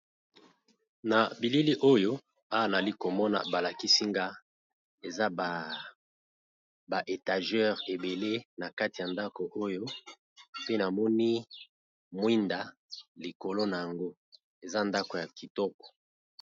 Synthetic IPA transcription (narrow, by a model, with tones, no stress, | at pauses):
na˨bi˨li˦li˦ʔo˦jo˦ | a˦˨za˨li˦ko˨mɔ˦na̰˨ba˨la˨ki˦si˦ŋɡa˦ | e˨za˦b | ba˨ʔe˨ta˨ʒɛ˦ʁe˨be˨le˦na˨ka˦ti˨ja˨nda˦ko˨ʔo˦jo˦ | pe˦na˨mɔ˦ni˦ | mwi˦nda˨ | li˨ko˨lo˦na˨ja˨ŋɡo˦ | e˨za˦nda˦ko˨ja˨ki˨tɔ˦kɔ̥˨